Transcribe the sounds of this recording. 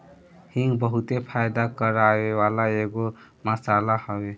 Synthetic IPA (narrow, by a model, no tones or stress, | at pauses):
hiŋɡbəɦut̪epʰajd̪akəɾaewalaeɡo | məsalahəbe